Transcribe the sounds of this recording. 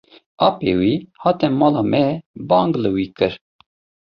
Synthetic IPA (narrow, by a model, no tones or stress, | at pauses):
ɑːpḛwihɑːt̪ɛmɑːlɑːmɛbɑːŋɡlɨwiːkɨɾ